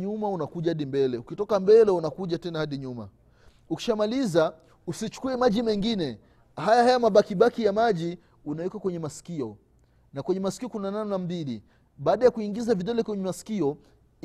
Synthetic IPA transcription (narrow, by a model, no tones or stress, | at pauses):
ɲumaunakuʄahaɗimbɛlɛukitɔkambɛlɛunakuʄatɛnahaɗiɲuma̰ | uki̥ʃamaliza | usit͡ʃu̥kuɛmaʄimɛŋɡinɛ | hajahajamaɓakiɓakijamaʄi | unajikakwɛɲɛmasi̥kiɔ | nakwɛɲɛmasi̥kiɔkunanannambili | ɓaːɗajakuiŋɡizaviɗɛlɛkwɛɲɛmasi̥kiɔ